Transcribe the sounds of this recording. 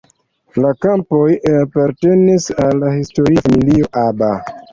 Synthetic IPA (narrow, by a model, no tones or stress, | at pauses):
lakampo̞japaɾte̞nisalːahisto̞ɾifamilio̞ʔaba